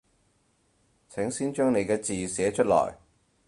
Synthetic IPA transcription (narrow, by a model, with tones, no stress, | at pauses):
t͡sʰɪ˨˥ŋsiː˥nt͡ʃœː˥ŋne˨˧jkɛː˧t͡siː˨sɛː˨˥t͡ʃʰɵ˥t̚lɔ̰ː˨˩j